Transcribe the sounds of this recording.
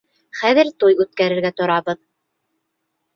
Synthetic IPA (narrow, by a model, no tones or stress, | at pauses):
χæðɘ̆ɾt̪ujʉt̪̚kæɾɘ̆ɾɡæt̪ŏɾɑβɤð